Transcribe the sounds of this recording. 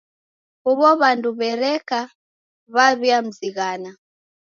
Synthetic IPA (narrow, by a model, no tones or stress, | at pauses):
uβɔβanduβɛɾɛka | βaβiam̩ziɣana